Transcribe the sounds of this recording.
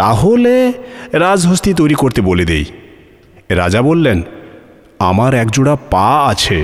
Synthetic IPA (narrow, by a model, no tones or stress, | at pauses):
t̪aɦoleɾad͡ʑɦost̪it̪ojɾikoɾt̪eboled̪ḛj | ɾa̰d͡ʑabolːen | a̰maɾɛkd͡ʑoɽapaat͡ɕʰe